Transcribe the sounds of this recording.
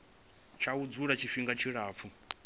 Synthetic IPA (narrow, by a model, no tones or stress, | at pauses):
t͡ʃʰaud͡zuɺat͡ʃʰiɸiŋɡat͡ʃʰiɺaːp̪fʰu